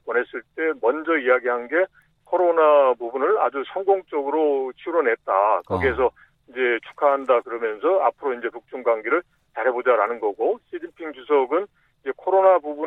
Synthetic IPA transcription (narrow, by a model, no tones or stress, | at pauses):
pone̞s͈ɯɭt͈e̞mʌnd͡ʑʌijaɡiɦanɡe̞ | kʰoɾonabubunɯɭa̰d͡ʑusʰʌŋɡoŋt͡ɕ͈ʌɡɯɾot͡ɕʰiɾonɦe̞t̚t͈akʌɡiesʰʌ | ind͡ʑe̞t͡ɕʰu̥kʰaɦandakɯɾʌmjʌnsʰʌapʰɯɾoind͡ʑe̞puk̚t͡ɕ͈uŋɡwaŋɡeɾɯɭ | t͡ɕaɾɦe̞bod͡ʑaɾanɯnɡʌɡoɕʰid͡ʑinpʰiŋd͡ʑusʰʌɡɯn | id͡ʑe̞kʰoɾonabubu